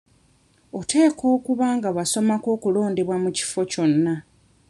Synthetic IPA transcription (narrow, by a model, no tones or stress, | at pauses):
o̞tʰe̞ːkʰo̞ːkuβaːŋɡaβaso̞mako̞ːkulo̞ːndeβwamuci̥fo̞co̞nːa